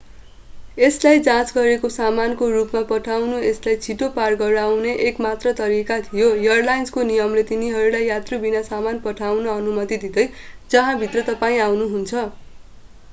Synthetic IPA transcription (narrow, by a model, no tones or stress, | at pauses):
eslajd͡zãt͡sɡʌɾekosamankorupmapʌʈʰawnueslajt͡sʰiʈoparɡʌɾawneʔekmat̪rʌt̪ʌɾikat̪ʰijojʌrlajnskonijʌmlet̪iniɦʌɾulajːat̪robinasamanpʌʈʰawnʌʌnumʌt̪id̪id̪ʌj | d͡zʌɦãbʱit̪rʌt̪ʌpaĩawnuɦunt͡sʰʌ